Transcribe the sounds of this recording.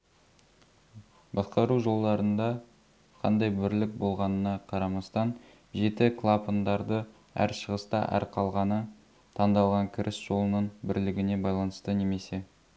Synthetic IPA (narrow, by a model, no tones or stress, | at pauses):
bɑsqɑɾuʒo̞lˠd̪ɑɾənd̪ɑ | qʰɑ̰nd̪ɑjbɪɾlɪk̚bo̞lˠʁɑnənɑqʰɑɾɑmɑst̪ɑn | ʒe̞t̪ɪkʰlˠapond̪ɑɾd̪ə | æ̰ɾʃəʁəst̪ɑʔæ̰ɾqʰɑlˠʁɑnə | t̪ʰɑnd̪ɑlˠʁɑŋkʲʰɪɾʔɪsʒ̥o̞lˠənəɴbɪɾlɪɡʲɪne̞bɑjlˠɑnəst̪əne̞me̞se̞